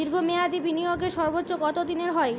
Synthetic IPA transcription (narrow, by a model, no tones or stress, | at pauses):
iɾɡʱomead̪ibinijoɡeɾʃɔɾbotːɕoɡɔt̪od̪ineɾɦɔe